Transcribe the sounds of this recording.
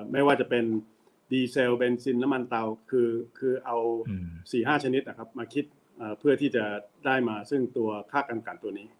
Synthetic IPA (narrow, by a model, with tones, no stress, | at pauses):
ma˥˩waː˥˩t͡ɕa˨˩pe˧n | diː˧seː˧wbe˧nsi˧nːa˦˥ma˧nt̪a˧wkʰɯː˧kʰɯː˧ʔa˧wsiː˨˩ɦaː˥˩t͡ɕʰa˧ni˦˥t̪̚na˨˩kʰa˦˥p̚maː˧kʰi˦˥t̪̚ | ʔəː˨˩pʰɯ˥˩ɐt̪ʰiː˥˩t͡ɕa˨˩daː˥˩jmaː˧sɯ˥˩ŋt̪u˧ɐkʰaː˥˩ka˧nka˨˩nt̪u˧ɐniː˦˥˩